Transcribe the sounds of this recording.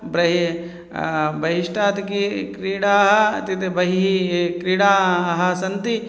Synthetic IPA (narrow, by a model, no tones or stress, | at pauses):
bɾɐɦi | bɐɦiʃʈaːt̪kikɾiːɽaːɦɐt̪it̪ebɐɦiikɾiːɽaːɦɐsɐnt̪i